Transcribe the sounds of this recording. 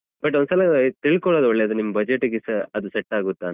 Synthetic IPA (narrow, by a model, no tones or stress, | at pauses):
bɐʈ̬ːond̪sɐlɐt̪iɭkɔɭod̪ɔɭːeɐd̪unimːɐbɐd͡ʒeʈːuɡisɐɐd̪useʈːaːɡut̪ːaːn